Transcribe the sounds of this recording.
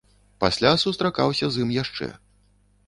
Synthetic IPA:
pasʲlʲasust̪ɾakawsʲɐzimjaʂt͡ʂɛ̰

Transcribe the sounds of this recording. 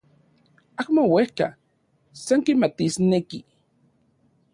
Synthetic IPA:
akmowehka̰ | saŋkimat̪isneki

